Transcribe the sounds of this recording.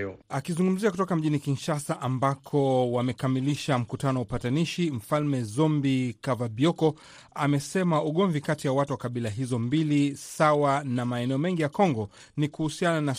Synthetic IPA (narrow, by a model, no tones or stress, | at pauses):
akizuŋɡum̩ziakutɔkam̩ʄinikinʃasaʔambakʰɔwamɛkamiliʃam̩kutanɔwaupataniʃim̩falmɛzɔmbikavabiɔkɔ | amɛsɛmauɠɔɱvikatijawatuwakaɓilaɦizɔmbilisawanamaɛnɛɔmɛŋɡijakɔŋɡɔ | nikuhusianana